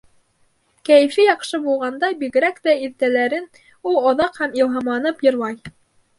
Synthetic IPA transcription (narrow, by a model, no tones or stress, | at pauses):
kæjɘ̆fijɑqʃɤbulˠʁɑnd̪ɑbiɣɘ̆ɾækt̪æiðt̪ælæɾɘn | ulˠŏðɑqhæmilˠɦɑmlˠɑnɤpjɤ̆ɾmɑj